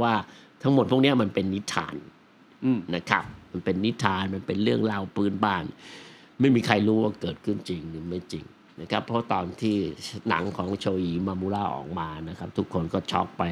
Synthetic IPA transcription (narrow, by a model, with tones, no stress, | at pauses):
waː˥˩t̪ʰa˦˥ŋmo˨˩t̪̚pʰu˥˩ni˦˥ɐma˧npe˧nːi˦˥t̪ʰa̰ː˧nː | a˦˥kʰa˦˥p̚ma˧npe˧nːi˦˥t̪ʰːaː˧nma˧npe˧nɾɯ˥˩əŋla˧wpʰɯː˦˥nbaː˥˩n | ma˥˩jmiː˧kʰa˧jɾuː˦˥waː˥˩kɤː˨˩t̪̚kʰɯ˥˩nt͡ɕi˧ŋlɯː˩˦ma˥˩jt͡ɕi˧ŋ | na˦˥kʰa˦˥pʰːɔ˦a˥˧t̪ɔː˧nt̪ʰiː˥˩na̰˨˩˦ŋkʰɔː˩˦ŋt͡ɕʰoː˧ʔiː˧maː˧muː˧˦laː˥˩ʔɔ̰ː˨˩k̚maː˧na˦˥kʰa˦˥p̚t̪ʰu˦˥kʰːo˧nkɔː˥˩t͡ɕʰɔ̰˦˥k̚pa˧j